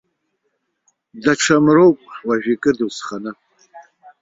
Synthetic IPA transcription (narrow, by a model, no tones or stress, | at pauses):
daʈ͡ʂʰamrowpʼwaʒᶣikʼɨrdwsχanɨ